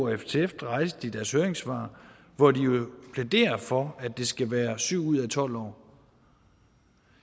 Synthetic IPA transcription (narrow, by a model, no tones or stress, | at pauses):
eft͡sʰeefd̥ʁɑ̈ɪsd̥id̥æɐshøɐeŋsʋɑ̰̈ː | ʋɒdijo̝pʰled̥e̝̰ːɐfɒ̽æd̥e̝sɡ̥æʋæːɐsyʊ̰uð̞̰ˠæt͡sʰɒ̽l̰ɒ̰ː